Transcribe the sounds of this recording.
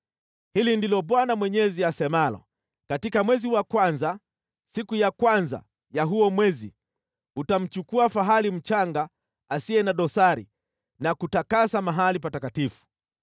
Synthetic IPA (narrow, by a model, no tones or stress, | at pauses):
hilindilɔɓwanamwɛɲɛziasɛmalɔ̰ | katikamwɛziwakwanza | sikujakwanza̰ | jaɦuɔmwɛzḭ | utam̩t͡ʃukuafaɦalim̩t͡ʃaŋɡaː | siɛnaɗɔsaɾḭ | nakutakasamaɦalipatakatifu̥